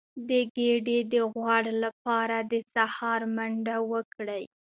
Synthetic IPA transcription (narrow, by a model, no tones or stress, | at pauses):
d̪əɡeɖed̪əɣwɑɽlapɑɾad̪əsahɑɾmaɳɖawəkɽəj